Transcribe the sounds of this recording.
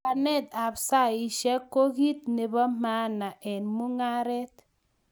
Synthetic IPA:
a˨nɛ˦˨t̪a˨psa˦i˨ʃɛ˦kːo˦ki˦t̪̚ne˨bɔ˦ma˦na˨ʔɛ˨nmu˦ŋa˦ɾɛ˦t̚

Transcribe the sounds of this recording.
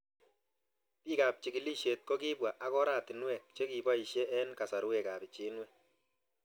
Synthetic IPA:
piː˦ka˨p̚t͡ʃi˨ki˨li˦ʃe˨t̚ko˦ki˦bwa˨ʔa˨kɔ˦ɾaː˨tɪ˨nwɛ˨k̚t͡ʃe˦ki˨bɔ˦i˨ʃje˦ʔɛ˦nka˨sa˨ɾu˦we˨ka˨bɪ˨t͡ʃe˨˦nwɛ˦

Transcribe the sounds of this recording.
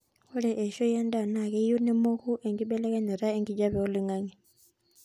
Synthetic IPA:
hu˦ɺɛ˨ʔɛ˨ʃɔ˦ɛ˦nda˨na˨k̬ɛ˦ju˦nɛ˦mo˦xu˦ʔɛ˨ŋɡi˦ɓɛ˦lɛ˦kɛ˦nɛ˨ɾa˦e˦ŋɡi˦d͡ʒa˦βɛ˨ɔ˦li˦ŋaː˦ŋɛ˨

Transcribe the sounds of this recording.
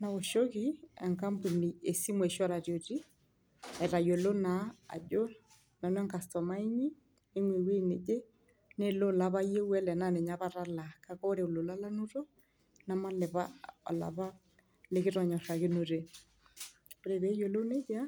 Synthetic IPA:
na˨βo˨ʃo˦ɣi˦ɛ˨ŋka˦mbu˨ni˨e˨si˦mwɛ˨ʃɔ˦ɾa˨ɾjo˨ti˦ | ɛ˨ɾa˨jo˨lo˦na̰ː˨d͡ʒo˦ | na˨nwɛ˦ŋka˨stɔ˨ma˦i˦ɲi˦ | e˦ŋwe˨we˦ne˨d͡ʒe˦ | ne˦lo˦˨la˦βa˦je˦wɛ˦lɛ˨na˦nɛ˨ɲa˦βa˦ɾa˦la˨ka˦kɔ˦ɾe˨o˨lo˨la˦la˦no˦ɾo˦ | na˦ma˦lɛ˨βa˦ɔ̰˨la̰˨βa˦ | le˦ke˦ɾɔ˨ɲɔ˨ʃa˨ke˦no˨ɾe˨ | o˨ɾe˨βɛ˨˦jo˨lo˦ne˦d͡ʒa˦

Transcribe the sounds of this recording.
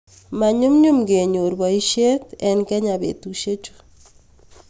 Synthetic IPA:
ma˨ɲʊ˦mɲʊ˦mɡe˨ɲo˨ɾbɔ˨i˦ʃe˦tɛ˨nkɛ˦ɲa˨bḛ˨tu˨ʃe˦t͡ʃu̥˦

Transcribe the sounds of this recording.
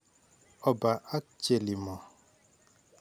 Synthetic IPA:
ɔ˨ba˨a˦t͡ʃe˨li˨mɔ˨

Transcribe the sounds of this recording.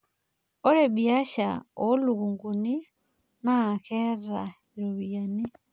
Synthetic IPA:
ɔ˦ɾɛ˨bi˨a˦ʃa̰˨ɔ˨˦lu˨ɣu˨ŋɡu˨ni˦ | na˦˨kɛ˦ɾa˨ | i˨ɾo˨βi˨a˨ni˦

